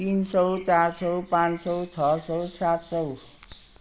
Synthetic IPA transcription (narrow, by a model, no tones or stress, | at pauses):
t̪insʌwt͡saɾsʌwpãnsʌwt͡sʰʌsʌwsat̪sʌw